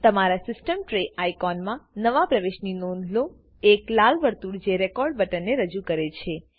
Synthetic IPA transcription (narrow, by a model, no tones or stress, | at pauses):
t̪əmaɾasɪsʈəmʈɾeʔajkɔnmãnəʋapɾəʋeʃninõnd̪ʱlo | eklalʋəɾt̪uɽd͡ʒeɾekɔɾɖbəʈənːeɾəd͡ʒukəɾet͡ʃʰe